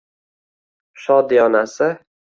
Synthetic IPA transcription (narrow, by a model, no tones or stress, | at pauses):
ʃɒd̪ijɒnasɪ